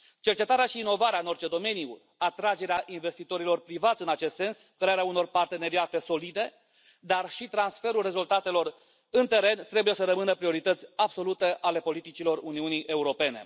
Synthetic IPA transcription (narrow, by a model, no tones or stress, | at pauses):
t͡ʃe̞rt͡ʃe̞t̪aɾeaʃiːno̞vaɾeaɨno̞rt͡ʃe̞d̪o̞me̞niju | at̪ɾad͡ʒe̞ɾeaʔinve̞st̪it̪o̞ɾilo̞rpɾivat̪sʲɨnat͡ʃe̞st̪se̞nskɾeaɾeauno̞rpart̪e̞ne̞ɾiat̪e̞so̞lid̪e̞ | d̪arʃit̪ɾansfe̞ɾulre̞zult̪at̪e̞lo̞r | ɨnt̪e̞ɾe̞nt̪ɾe̞bujesəɾəmɨnəpɾio̞ɾit̪ət̪sʲabso̞lut̪e̞ʔale̞po̞lit̪it͡ʃilo̞runiuniʔe̞uɾo̞pe̞ne̞̰